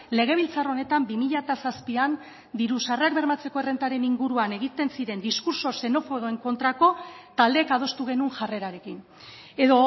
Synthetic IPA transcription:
le̞ɣ̞e̞β̞ilt͡saro̞ne̞t̪ambimiʎat̪asaspian | d̪iɾusareakbe̞ɾmat͡se̞ko̞ere̞nt̪aɾe̞niŋɡuɾuane̞ɣit̪e̞nsiɾe̞nd̪iskuɾso̞se̞no̞fo̞ɣoe̞ŋko̞nt̪ɾako̞t̪ald̪eːkað̞o̞st̪uɣ̞e̞nunʝare̞ɾaɾe̞kin | e̞ðo̞

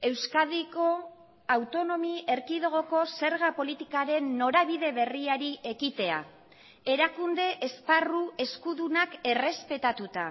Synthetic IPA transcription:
e̞wskaðiko̞ | awt̪o̞no̞mie̞ɾkiðoɣo̞ko̞se̞ɾɣ̞apo̞lit̪ikaɾe̞nːo̞ɾaβ̞iðe̞βe̞riaɾiʔe̞ɣit̪e̞a̰ | e̞ɾakund̪e̞ʔesparue̞skuðunake̞re̞spe̞t̪at̪ut̪a

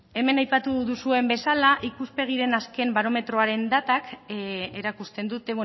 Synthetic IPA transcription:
e̞me̞najpat̪uðusue̞mbe̞salaʔikuspe̞ɣ̞iɾe̞naske̞mbaɾo̞me̞t̪ɾo̞aɾe̞nd̪at̪akeɾakust̪e̞nd̪ut̪e̞

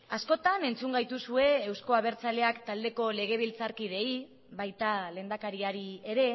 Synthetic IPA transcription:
asko̞t̪ane̞nt͡suŋɡajt̪usue̞ːwsko̞aβ̞e̞ɾt͡sale̞akt̪ald̪e̞ko̞le̞ɣ̞e̞β̞ilt͡saɾkið̞e̞i | βajt̪ale̞ːnd̪akaɾiaɾie̞ɾe̞

